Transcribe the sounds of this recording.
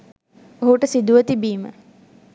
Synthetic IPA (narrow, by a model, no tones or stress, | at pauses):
oɦuʈəsid̪uʋət̪ibiːmə̰